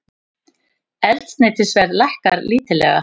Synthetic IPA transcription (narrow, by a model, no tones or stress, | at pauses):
ɛlt̪nɛːt̪ɪsvɛɾðlahkaɾliːt̪ɪlɛ̰ɣa̰